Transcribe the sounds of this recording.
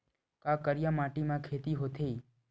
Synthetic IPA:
kakəɾjamaʈimãkʰet̪iɦot̪ʰe

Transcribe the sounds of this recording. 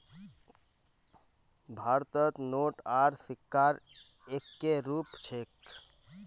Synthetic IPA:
bʱaɾt̪ət̪noʈaɾsikːaɾ | ekːeɾupt͡ʃʰek

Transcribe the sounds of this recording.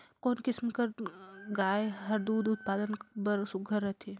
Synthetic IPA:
koːnkɪsmkɐɾɡaːeɦɐɾd̪uːd̪ʊt̪̚paːd̪ənbɐɾsʊɡʱəɾət̪ʰe

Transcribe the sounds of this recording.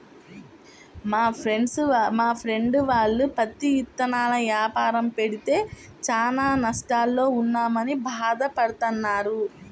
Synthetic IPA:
maːeɳɖsmaːpʰɾe̞ɳɖuʋaːɭːupɐt̪ijit̪ːɐnaːlɐʋjaːpaːɾɐmpe̞ɽit̪e̞ː | t͡ʃaːnaːnɐʂʈaːlːo̞ːunːaːmɐnibʱaːd̪ɐpɐɽut̪ɐnːaːɾu

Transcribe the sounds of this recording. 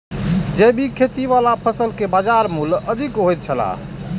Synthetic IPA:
d͡ʒejbʱikʰet̪iʋalapʰəsəlkebad͡ʒaɾmuləd̪ʱikɦojt̪̚t͡ʃʰəla̰

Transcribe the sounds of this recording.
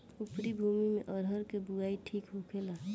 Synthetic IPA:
ʊpɾibʱuːmimẽʔɔɾɦəɾkebuaːiʈʰiːkɦokʰelaː

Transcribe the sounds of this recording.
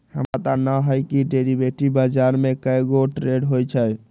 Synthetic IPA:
hə̰mɾat̪anəɦəjkiɖeɾibeʈibad͡ʒaɾmekəjɡoʈɾeɖɦojt͡ʃʰəj

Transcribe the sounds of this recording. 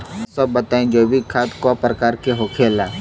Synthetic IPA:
sɐbːɐt̪aːẽd͡ʒoːbʱikʰaːt̪kapɾəkaːɾkeɦoːkʰeːla

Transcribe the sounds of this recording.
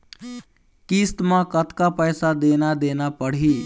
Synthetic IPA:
kist̪mãkət̪kapəjsad̪enad̪enapəɽ̤ɦi

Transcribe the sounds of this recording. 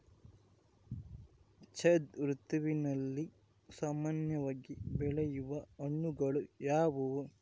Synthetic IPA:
t͡ʃʰed̪ɾut̪uʋinɐlːi | saːmaːnjɐʋaːɡibɛɭɛjuʋɐoɳːuɡɐɭujaːʋu

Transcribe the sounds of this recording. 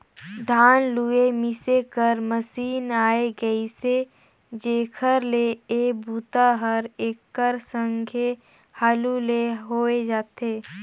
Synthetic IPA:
d̪ʱaːnluemɪsekəɾməsiːnaːeɡəise | d͡ʒeːkʰəɾleeːbuːt̪aɦəɾeːkːəɾsə̃ŋɡʰʱe | haːluleɦoːed͡ʒaːt̪eː

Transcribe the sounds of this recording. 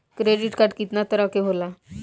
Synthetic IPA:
kɾeɖiʈkaɾɖkit̪nat̪əɾakeɦola

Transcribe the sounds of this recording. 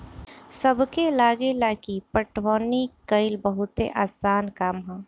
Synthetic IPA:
səbkelaːɡelakipəʈwɔːnikəɪlbəɦʊt̪ḛʔaːsaːnkaːmɦɛ̃ː

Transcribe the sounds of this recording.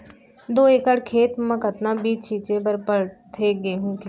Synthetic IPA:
d̪oːekəɽkʰeːt̪mə̃kət̪nãːbiːt͡ʃt͡ʃʰiːt͡ʃeːbəɾpəɽt̪ʰeːɡeːɦũːki

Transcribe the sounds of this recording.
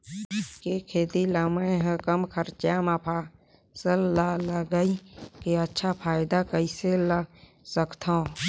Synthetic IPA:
kekʰeːd̪iləməeɦə̃kəmkʰəɾt͡ʃjaːmapʰa | səlːaləɡəikeətːʃʰapʰaːɪd̪akəisela | səkt̪ʰã

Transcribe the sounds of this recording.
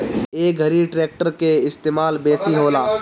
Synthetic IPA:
eːɡʱəɾiʈɾeːk̚ʈəɾkeɪst̪eːmaːlbeːsiɦoːlaː

